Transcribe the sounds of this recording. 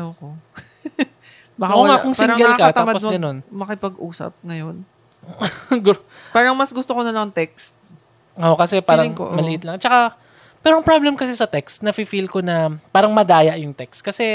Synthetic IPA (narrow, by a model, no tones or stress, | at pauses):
ɐko | bɐɐʔoŋaːkoŋsɪɾɡɛllkɐt̪aːmɐpoɡɐno̞nmɐkɪpɐɡʔuːsɐ̰p̚ŋɐjon | ɡu | paːɾɐŋmɐsɡʊst̪okonɐlɐŋŋt̪ɛkst̪̚ | ʔokɐsɛpaːɾɐɪŋo̰mɐlɪʔɪt̪lɐŋt͡ʃɐka | pɛːɾoɐŋpɹablɛmkɐsɛsɐt̪ɛkst̪̚nɐfifilkonɐpaːɾɐŋmɐd̪aːjɐʔjʊŋt̪ɛkst̪̚kɐsɛ